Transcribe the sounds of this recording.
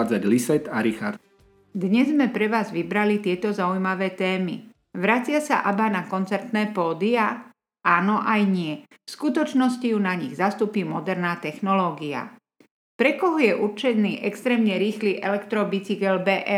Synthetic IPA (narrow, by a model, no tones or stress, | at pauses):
d͡zaɟlisɛt̪aɾixaɾd̪ | d̪ɲɛzmɛpɾɛʋaːzʋibɾalit̪ɪɛt̪ɔzaujmaʋɛːt̪ɛːmḭ | ʋɾat͡sɪasa̰ʔabanakɔnt͡sɛɾt̪nɛːpɔːd̪ia | ʔaːnɔʔajɲɪɛ | fskut̪ɔt͡ʃnɔscijunaɲiɣzast̪uːpiːmɔd̪ɛɾnaːt̪ɛxnɔlɔːɡia̰ | pɾɛkɔɦɔjɛʔuɾt͡ʃɛnːiːʔɛkst̪ɾɛːmɲɛɾiːxliːʔɛlɛkt̪ɾɔbit͡siɡɛlbɛːʔɛ